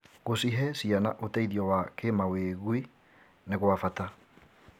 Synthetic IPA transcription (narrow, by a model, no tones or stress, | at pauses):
ɣosiɦɛsiana̰ʔotɛiðiɔwakemaweːɣwi | neɣwafata